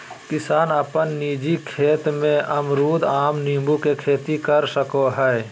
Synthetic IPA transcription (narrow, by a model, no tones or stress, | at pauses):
kɪsaːnəpənːiːd͡ʒikʰeːt̪mẽʔɐmɾuːd̪aːmniːmbukekʰeːt̪ikəɾsəkoɦɛe